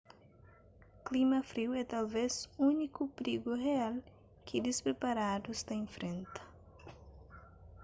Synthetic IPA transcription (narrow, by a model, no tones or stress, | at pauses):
klimɐfɾiwɛt̪alvezũnikupɾiɡuheal | kɪd̪espɾepaɾad̪uzd̪ɐẽfɾẽnt̪ɐ̥